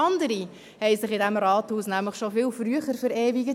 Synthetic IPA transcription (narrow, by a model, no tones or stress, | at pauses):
ɑnd̪əɾi | hɛɪsɪχɪdæmɾɑːt̪huːsnæmləχʃofɪlfɾyəχəɾfəɾɛːviɡə